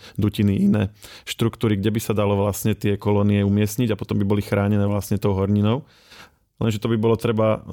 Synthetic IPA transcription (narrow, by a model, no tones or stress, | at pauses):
d̪uciniʔinɛːʃt̪ɾukt̪uːɾiɡɟɛbisad̪alɔʋlasɲɛt̪ɪɛkɔlɔniɛumɪɛsɲiɟapɔ̥t̪ɔmbibɔlixɾaːɲɛnɛːʋlasɲɛt̪ɔʊɦɔɾɲinɔʊ | lɛnʒɛt̪ɔbibɔlɔt̪ɾɛba